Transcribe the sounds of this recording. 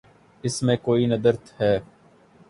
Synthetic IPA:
ɪsmẽːkoːinəd̪əɾt̪hɛː

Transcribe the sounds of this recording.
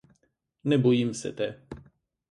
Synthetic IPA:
nɛbɔjimsɛ̰t̪ɛ

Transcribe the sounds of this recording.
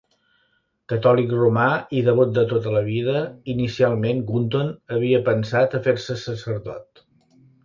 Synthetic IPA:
kət̪ɔlikrumaiðəβot̪̚d̪ət̪ot̪ələβ̞iðəinisialˠmenɡunt̪onəβiəpənsat̪əfeɾsəsəsəɾðɔ̰t̪

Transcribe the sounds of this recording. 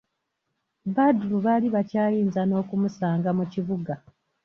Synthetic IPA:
badluβaliβacaːjiːnzano̞ːkumusaːŋɡamuciβuɡa

